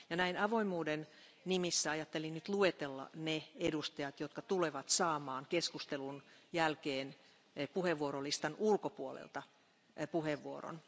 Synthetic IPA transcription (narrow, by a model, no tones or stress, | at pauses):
jɑnæinɑʋoimˑuːden | nimisːæɑjɑt̪ːelinnyt̪luet̪elːɑ̰needust̪ɑjɑt̪jot̪kɑt̪uleʋɑt̪sɑːmɑːŋkeskust̪elunjælkeːn | puheʋːuoɾolist̪ɑnulkopuolḛlt̪ɑ | puheʋːuoro̰n